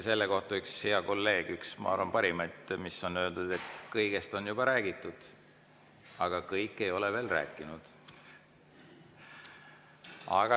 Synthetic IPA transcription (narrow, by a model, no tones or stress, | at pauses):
se̞lːeko̞ht̪ɑykshiɑko̞lːe̞ːɡ̥yksmɑ̰ɑ̰rvɑmpɑɾimɑjt̪miso̞nːøøld̪̥ud̪̥e̞t̪ːkɤjɡ̥e̞st̪o̞njubɑɾæːɡ̥it̪ːˑud̪̥ | ɑɡ̥ɑkɤjkːˑe̞jo̞leve̞ːlræ̰ːkːˑinud̪̥ | ɑ̰ɡ̥ɑ